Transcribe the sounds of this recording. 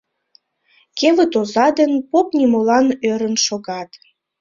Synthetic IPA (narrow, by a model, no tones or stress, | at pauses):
kevət̪ozɑd̪ənpopnʲimolɑnøɾənʃoɣɑt̪